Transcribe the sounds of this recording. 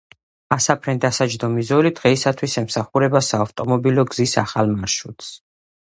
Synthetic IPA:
asapʰɾɛnd̪asad͡ʒd̪ɔmizɔlid̪̥ʁɛisat̪ʰwisɛmsaχuɾɛbasaːft̪ʼɔmɔbilɔɡz̥isaχalmaɾʃut̪ʰs

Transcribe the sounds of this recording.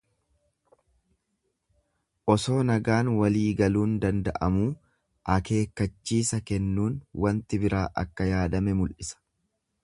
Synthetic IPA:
ʔɔso̞ːnɐɡaːnwɐliːɡɐluːnd̪ɐnd̪ɐ̰ʔɐmuː | ʔɐke̞ːkːɐt͡ʃːiːsɐkɛnːuːnwɐnt̪ɪbɪɾaːʔɐ̰kːɐjaːd̪ɐmɛmʊlʔɪsɐ̥

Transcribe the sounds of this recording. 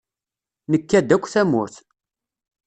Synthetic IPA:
nəkːæd̪ːækʷːθæmːʊɾθ

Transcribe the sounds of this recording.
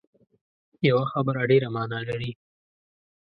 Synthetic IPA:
jawaxabəɾaɖeɾamɑːnɑlaɾi

